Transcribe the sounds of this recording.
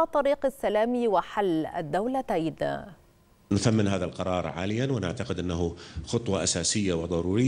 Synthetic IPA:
ɑt̪ˤːɑɾiːqasːalaːmiwaħalːa̰d̪ːawlat̪ajd̪̰ | nʊθamːɪnɦaːðalqɑɾˤɑːɾˤʕa̰ːlɪjːanwɪnɪʕt̪aqɪd̪ʔɪnːaɦʊxʊt̪ˤwɑʔasaːsɪjːawɪd̪ˤɑɾuːɾɪː

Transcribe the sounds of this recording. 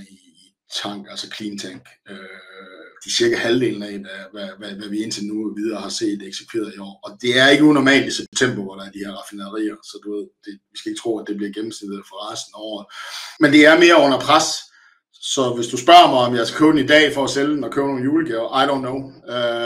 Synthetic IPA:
iː | t͡sʰɑ̈ŋ̰ɡ̥ælsəkʰliːnt͡sʰæŋ̰ɡ̥ø | d̥isiɐɡ̥æhæld̥e̝̰ːln̩æʋæʋæʋæʋæʋie̝n̰t͡sʰenuʋið̞ˠɐːhɑ̈se̝̰ːdd̥eɡ̥si̥kʰʋe̝ːɐð̩ˠiɒ̰ːɒ̽d̥e̝æɐe̝ɡ̥əunɒmɛ̰ːld̥isɒb̥e̥t͡sʰem̰b̥oʋɒɾ̥ɑ̈æɐd̥iheɐʁɑ̈finɐɐʁḭːɐsɒ̽d̥uʋe̝ð̰ˠd̥e̝ʋisɡ̥æe̝ɡ̥ət͡sʰʁo̝̰ːæd̥e̝b̥liɐɡ̥em̩snid̥ð̩ˠfɒʁɑːsn̩ɒ̰ːð̩ˠmend̥e̝æɐme̝ːɐɔ̽nɐpʰʁas | sɒ̽ʋe̝sd̥usb̥ɶɐmɑ̈ɪɒ̽mjaɪskæ̥kʰøʊd̥n̩id̥ɛ̰ːfɒːseld̥n̩ɒkʰøːʊɐno̝ːnjuːləɡ̥ʰeɐʔaɪdõʊnːoʊø

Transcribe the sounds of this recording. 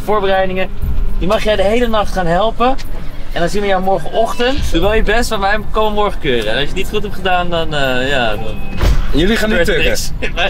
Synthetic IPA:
foːɹbərɛjdɪŋədimɑχjɛjdəɦejlənɑχtχaːnɦɛlˠpəɛndɔnsinəʋəjɛwmɔɹχənɔχtəntduʋɛlˠjəbɛstʋɔnʋɛjkomənmɔɹχəkøːrəɛnɔsjənitχutɦɛp̚tχədaːndɔnəjadɔnjəlixaːntnɪəks

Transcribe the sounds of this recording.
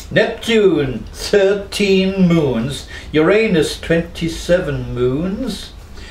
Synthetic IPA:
nɛp̚d͡ʒunθɜ˞tʰĩnmũnz̥ | jə˞ẽɪnɨstʰw̥ɛ̃ntʰisɛvə̃nmũnz̥

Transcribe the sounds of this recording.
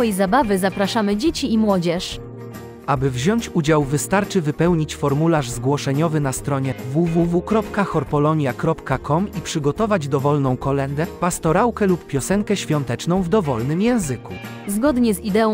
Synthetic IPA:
jzabavɘzapɾaʂamɘd͡ʑet͡ɕiimwɔd͡ʑɛʂ | ʔabɘvʑɔɲt͡ɕud͡ʑawvɘst̪aɾt͡ʂɘvɘpɛwɲit͡ɕfɔɾmulaʐzɡwɔʂɛɲɔvɘnast̪ɾɔɲɛvuvuvukɾɔpkaxɔɾpɔlɔɲjakɾɔpkakʰɔmipʂɘɡɔt̪ɔvad͡ʑd̪ɔvɔlnɔ̃w̃kɔlɛnd̪ɛpast̪ɔɾawkɛluppʲjɔsɛŋkɛɕfʲjɔnt̪ɛt͡ʂnɔ̃w̃vd̪ɔvɔlnɘmjɛ̃w̃zɘku | zɡɔd̪ɲɛzid̪ɛɔ̃

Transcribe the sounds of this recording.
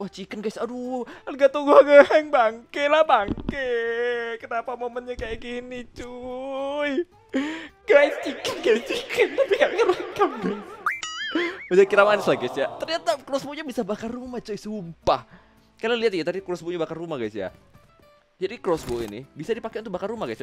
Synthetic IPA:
waht͡ʃikənɡajsaduɡat̪uŋɡuaɡaŋbaŋkelahbaŋke | kənapamomənɲakajakinit͡ʃu | j | ɡ̥ajst͡ʃikənɡajt͡ʃikʰnt̪apiɡaikabakamɡas | bad͡ʒakiɾamanɪslaɡasijat̪ərɲat̪akɾosboɲabisabakarrumat͡ʃojsumpah | kalaliat̪̚jat̪adikɾɔsboɲabakarumahɡajsija̰ | d͡ʒadikɾɔsboḭnḭbisadipakeʔʊnt̪ʊk̚bakarumahɡas

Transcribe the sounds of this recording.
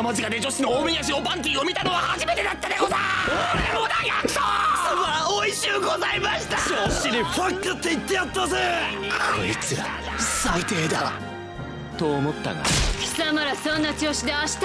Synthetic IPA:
mazɨkad̪ed͡ʑo̞ɕinooːbɯ̟̃ĩjaɕ̬iopãnt̪̬ʲiːomʲit̪anoβahaʑime̞t̪e̞d̪at̪ːad̪eozaoeod̪ajaktosomaoiɕɨːɡozaimaɕi̥t̪at͡ɕoɕid̪iɸakːɯt̪ːeit̪ːejat̪ːazeaoit͡sɨa̰ | sait̪eːd̪a | t̪o̞ːmo̞t̪ːa̰ɡa̰çi̥sɨamaɾasõnːat͡ɕoːɕid̪eaɕi̥t̪

